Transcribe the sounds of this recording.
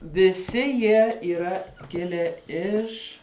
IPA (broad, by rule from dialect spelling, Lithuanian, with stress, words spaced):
ʋʲɪˈsʲɪ ˈjiɛ iːˈrɐ ˈkʲɪlʲæː ˈɪʃ